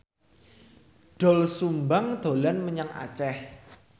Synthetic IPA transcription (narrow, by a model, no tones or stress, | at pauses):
ɖ̥ɔ̤lsumbaŋd̪̥o̤lanməɲaŋa̰t͡ʃɛh